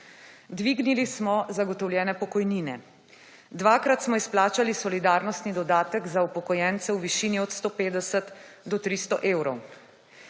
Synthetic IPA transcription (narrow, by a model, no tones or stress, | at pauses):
d̪ʋiːɡnilismɔzaɡɔt̪ɔwljɛːnɛpɔkɔjniːnɛ̰ | d̪ʋaːkɾat̪smɔisplaːt͡ʃalisɔlid̪aːɾnɔst̪nid̪ɔd̪aːt̪əɡzaupɔkɔjɛːnt̪sɛwʋiʃiːniɔt̪st̪oːpeːd̪ɛsət̪d̪ɔt̪ɾist̪ɔʔeːwɾɔw